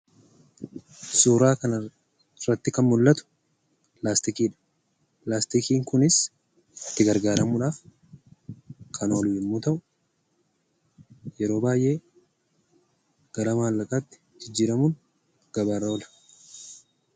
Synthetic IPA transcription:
suːɾaːkɐnɐ | rːɐt̪ːɪkɐnmʊlːɐt̪ʊ̥ | plaːst̪ɪkiːᶑɐ̥ | plaːst̪ɪkiːŋkʊnɪs | ɪt̪ːɪɡɐɾɡaːɾɐmʊᶑaːf | kʰɐno̞ːlɪmːuːt̪ɐʔʊ | jɛɾo̞ːbaːjʔe̞ː | ɡ̥ɐɾɐmaːlːɐkʼaːt̪ːɪ̥ | d͡ʒɪd͡ʒːiːɾɐmuːn | ɡ̥ɐbaɾoːlɐ̥

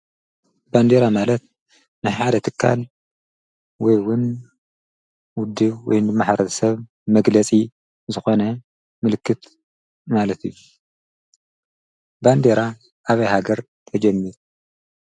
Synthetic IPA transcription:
band̪eɾamalɐt̪̚ | nɨħad̪ɐt̪ʰɨkʰːa̰l | wɔjwʊn | wʊd̪ːɨβwɔ̰jnɨmːaħɾɐt̪ʰɐsɐβ | mɐɡlɐt͡sʼi | zɨxo̞nɐ | mɨlɨkʰːɨt̪ | malɐt̪ʰijːu | band̪eɾa | ʔaβɐjhaɡɐɾ | t̪ʰɐd͡ʒɐmːiɾ

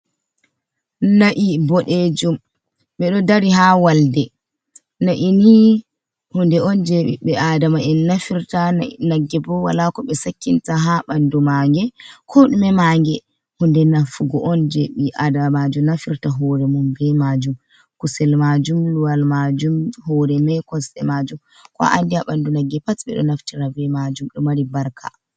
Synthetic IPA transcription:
naʔibɔɗed͡ʒum | ɓɛɗɔdaɾiɦawaldɛ | naʔini | hundɛɔnd͡ʒɛɓḭɓɛʔadamaʔɛnːafiɾtanaɡːɛbɔwa̰lakɔɓɛsakːintaɦaɓandumaŋɡɛkʰɔɗumɛmaŋɡɛ | hundɛnafuɡɔʔɔnd͡ʒeɓiʔadamad͡ʒunafiɾtaɦɔɾɛmumbɛmad͡ʒum | kusɛlmad͡ʒumluwalmad͡ʒumhɔɾɛmɛkɔsɛ̰mad͡ʒum | kɔ̰ʔa̰ndiaɓandunaɡːɛpatɓɛ̰ɗɔ̰naftiɾabɛmad͡ʒumɗɔmaɾibaɾkʰa̰

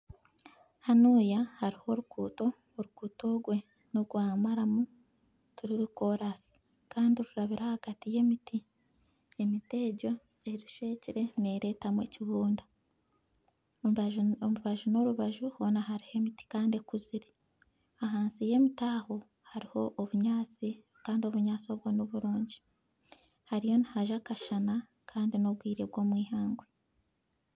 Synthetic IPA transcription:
hanuːjahaɾiho̞ɾukuːto̞ː | ɾukuːto̞ɡwe̞ | noɡwaːmaɾamu | tuɾiɾuko̞ɾasi̥ | kaːndiɾuɾaβiɾahaɡ̥atije̞miti | emite̞ɟo̞ | eɾiʃwe̞ːciɾe̞neɾe̞tamwe̞ciβuːnda | omuβaʒuno̞ɾuβaʒuhonaɦaɾihe̞miti̥kaːndekuziɾi | aɦaːnsije̞mitaːho̞ | haɾiho̞ʔːβuɲaːt͡si | kaːndio̞βuɲaːt͡so̞bɡo̞noβuɾuːɲɟi̥ | haɾijo̞nihaʒakaʃana | kʰaːndinob̚ɡwiːɾe̞bɡo̞ːmwiːhaːŋɡwe

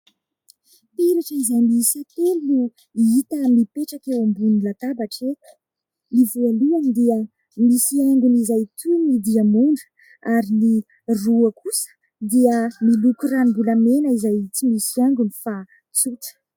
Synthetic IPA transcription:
piɾaʈ͡ʂizajmisat̪elu | it̪əmipeʈ͡ʂakewambunilat̪abaʈ͡ʂet̪ə̥ | nivualuand̪iə | misieŋɡunizajt̪ʰumid̪iamuɳɖ͡ʐə̥ | aɾini | ruəkusə̥ | d̪iəmilukuranimbulamenəizajit͡simisiaŋɡunifa | t͡sut̪ə̥

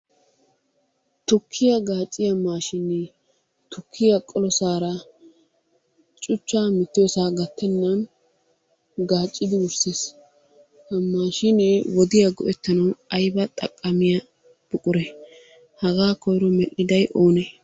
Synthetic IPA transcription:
t̪ʊkʰːɪjɐɡaːt͡ʃʼːɪjɐmaːʃɪnːɛ | t̪ʊkʰːɪjɐkʼɔlɔsaːɾɐ | t͡ʃʼʊt͡ʃːaːmɪt̪ːɪjɔsaːɡɐt̪ːɛnːɐn | ɡaːt͡ʃʼːɪd̪ɪwʊɾses | hɐmːaːʃɪnɛwɔd̪ɪjɐɡɔ̰ʔɛt̪ːɐnɐwɐjbɐt̪ʼɐkʼːɐmɪjɐ | b̥ʊkʼʊɾɛ | hɐɡaːkɔjɾɔmɛʔɪd̪ɐjʔo̞ːnɛ

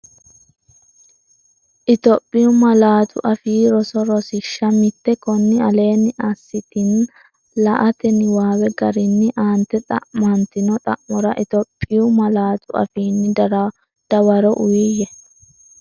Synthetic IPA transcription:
ʔɪt̪ɔpʼːɪjʊmɐlaːt̪ʊ̰ʔɐfiːɾɔsɔɾɔsɪʃːɐmɪt̪ːɛkɔnːɪɐle̞ːnːɪʔasːɪt̪ɪn | lɐʔɐt̪ɛnɪwaːwɛɡɐɾɪnːɪʔaːnt̪ɛt̪ʼɐ̰ʔmɐnt̪ɪnɔt̪ʼɐʔmɔɾɐʔɪt̪ɔpʼːɪjʊmɐlaːt̪ʊɐ̰fiːnːɪdɐɾɐ | d̪̥ɐwɐɾɔʔʊjiːjɛ

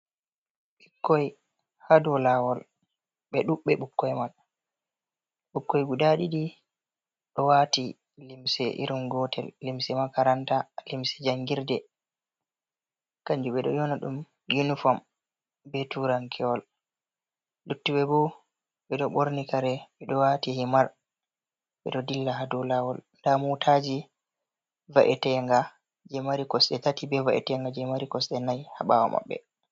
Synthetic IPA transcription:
ɓikːɔj | hadɔlawɔl | ɓɛɗuɓːɛɓukːɔjman | ɓukːɔjɡudaɗiɗi | ɗɔwati | limsɛʔḭɾunɡɔtɛlːimsɛmakaɾantalimsɛ̥d͡ʒaŋɡiɾdɛ | kaɲd͡ʒuɓɛɗɔ̰jɔnaɗṵm | junifɔm | bɛtuɾaŋkʰɛwɔl | lutːuɓɛbɔ | ɓɛɗɔɓoɾnikaɾɛɓɛɗɔwatihimaɾ | ɓɛ̰ɗɔdilːaɦadulawɔlndamutʰad͡ʒi | vaʔɛtɛŋɡa | d͡ʒɛmaɾikɔsɗɛtatibɛvaʔɛ̰tɛŋɡad͡ʒɛmaɾikɔsɗɛnajhaɓawa̰ma̰ɓːɛ̰

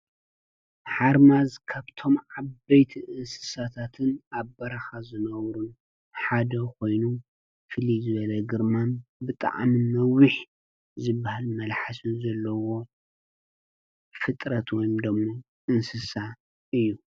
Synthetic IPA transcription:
ħaɾmazkʰaβt̪ʰo̞mʕaβbɐjt̪ʰiʔɨnsɨ̥sat̪ʰat̪ʰɨnaβbɐɾaxazɨnɐβɾun | ħad̪ɐkʰo̞jnu | fɨlizɨβɐlɐɡɨɾmanbɨt̪ʼa̰ʕmimɐwɨħ | zɨbːahalmɐlħasɨnzɐlːɐwo̞ | fɨt̪ʼɾɐt̪wɔjimd̪ɐmːo | ʔɨnsɨsa | ɨjːu

